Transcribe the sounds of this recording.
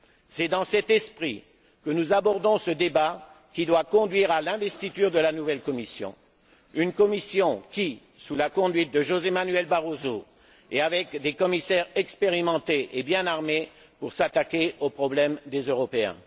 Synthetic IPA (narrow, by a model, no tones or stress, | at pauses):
sɛd̪ɑ̃sɛt̪ɛspχi | kənuzabɔʁd̪ɔ̃səd̪eba | kʲid̪wakɔ̃d̪ɥiʁalɛ̃vɛst̪it̪yʁd̪əlanuvɛlkɔmisjɔ̰̃ | ynkɔmisjɔ̃kʲi | sulakɔ̃d̪ɥit̪̚d̪əʒozemanyɥɛlbaʁozo | eavɛkd̪ekɔmisɛʁɛkspeʁimɑ̃t̪eʔebjɛ̃naʁme | puʁsat̪akʲeopχɔblɛmd̪ezøʁɔpeɛ̰̃